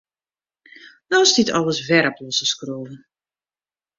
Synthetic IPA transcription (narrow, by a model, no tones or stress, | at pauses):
nɔsditʰɔlˠəsʋɛɾəplɔsəskroːvən